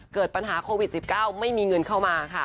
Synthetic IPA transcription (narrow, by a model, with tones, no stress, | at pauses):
kɤː˨˩t̪̚pa˧nɦaː˩˦kʰoː˧wi˨˩t̪̚si˨˩p̚kaː˥˩wma˥˩jmiː˧ŋɤ˧nkʰa˥˩wmaː˧kʰa˥˩